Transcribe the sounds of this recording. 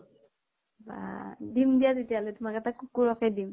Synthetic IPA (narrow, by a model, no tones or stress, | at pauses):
ba̰dimdijazetijalɛtumakɛtakukːuɹɔkɛjdim